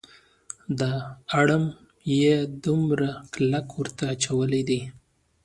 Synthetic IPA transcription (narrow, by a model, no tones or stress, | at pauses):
d̪əaɽam | jed̪umɾaklakwəɾt̪aːt͡ʃawəled̪i